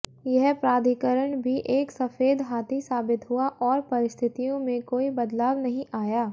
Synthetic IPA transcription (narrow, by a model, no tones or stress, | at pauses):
jɛɦpɾaːd̪ʱikəɾəɳ̃bʱiʔeːksɐfeːd̪ɦaːt̪ʰisaːbɪt̪ɦʊaʔɔːɾpɐɾɪst̪ʰɪt̪ijõmẽkoːibɐd̪laːʋnɐɦĩʔaːjaː